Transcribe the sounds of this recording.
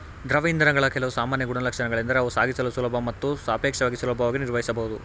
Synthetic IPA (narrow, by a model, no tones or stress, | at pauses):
d̪ɾɐʋɐind̪ɐɾɐɡɐɭɐkɛlɐʋusaːmaːnjɐɡuɽɐlɐkʂɐnɐɡɐɭind̪ɐɾeɐʋusaːɡisɐlusulɐbʱɐmɐt̪ːusaːpeːkʂɐʋaːɡisulɐbʱɐʋaːɡiniɾʋɐɦisɐbɐɦud̪u